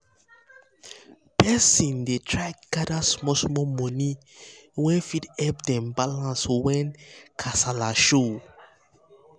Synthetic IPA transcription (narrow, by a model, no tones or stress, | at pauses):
pɛsĩndetʰɹakɡadasmɔsmɔmɔni | wɛ̃fitɛp̚dɛ̃mbalãnswɛ̃nkʰasalaʃo